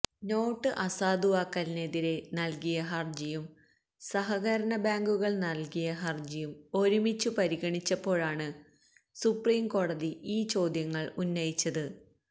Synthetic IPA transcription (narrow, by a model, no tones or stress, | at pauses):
no̞ːʈːɨʔɐsaːd̪uʋaːkːɐlne̞ðiɾe̞nɐlkijɐɦɐrd͡ʑijum | sɐɦɐɣɐɾɐnɐbaːŋɡuɣɐɭnɐlkijɐɦɐrd͡ʑijumo̞ɾumit͡ɕːupɐɾiɣɐɳit͡ɕːɐpːo̞ːɭaːɳɨ | supriːmko̞ːɽɐðiiːt͡ɕo̞ːd̪jɐŋːɐɭunːɐjit͡ɕːɐðɨ